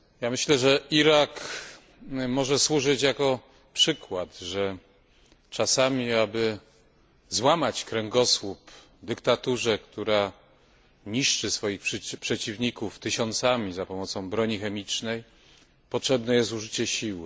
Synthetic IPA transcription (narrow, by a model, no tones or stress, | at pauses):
jamɘɕlɛʐɛiɾak | mɔʐɛswuʐɘt͡ɕjakɔ | pʂɘkwat̪ʐɛ | t͡ʂasamʲiabɘ | zwamat͡ɕkɾɛŋɡɔswup | d̪ɘkt̪at̪uʐɛkt̪uɾa | ɲiʂt͡ʂɘsfɔjixʂpʂɛt͡ɕivɲikuft̪ɘɕɔnt̪samʲizapɔmɔt̪sɔ̃w̃bɾɔɲixɛmʲit͡ʂnɛj | pɔtʂɛbnɛjɛst̪uʐɘt͡ɕɛɕiw